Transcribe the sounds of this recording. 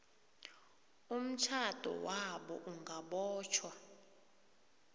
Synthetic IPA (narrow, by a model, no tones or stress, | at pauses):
um̩t͡ʃʰad̥ʱɔ̰waɓɔʔuŋɡaɓɔːt͡ʃʰwa